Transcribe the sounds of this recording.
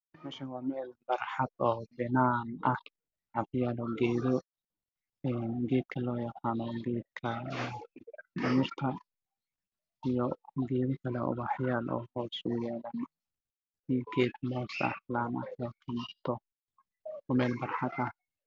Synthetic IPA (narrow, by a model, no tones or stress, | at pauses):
mɛːʃɐnwɑːmɛːlbɑrħɑd̪̥ɔːbɛnaːnɐh | ʕɑbjaːlɔːɡɛːðɔ | ɛːnɡɛːd̪̚kʰɐlɔːjɑqɑːnɔɡɛːd̪̚kʰɐɛkʰɪmɪrt̪ʰɐ | ijɔɡɛːðɔkʰɐlɛɔ̰βɑħjaːlʔɔ̰ːhɔːsʊjɛːlɐn | iɡɛːd̪mɔːsɐ̰hlaːnɐ̰hɔːk̪ʰɪmɪrt̪ʰɔ | mɛːlbɑrħɑd̪ɐh